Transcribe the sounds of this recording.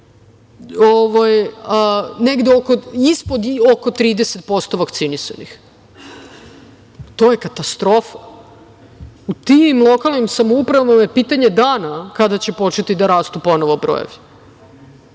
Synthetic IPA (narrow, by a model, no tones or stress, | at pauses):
oʋajəneɡd̪eoko̞ispo̞d̪oko̞t̪ɾiːd̪e̞set̪̚po̞st̪o̞ʋakt̪sinisa̰nix | t̪o̞ːje̞kat̪ast̪ɾo̞fa | ut̪imlˠo̞kalˠnimsamoupɾaʋavamajepiːt̪aɲed̪aːnakad̪at͡ɕe̞po̞t͡ʃet̪id̪aɾaːst̪upo̞noʋobɾo̰jḛʋi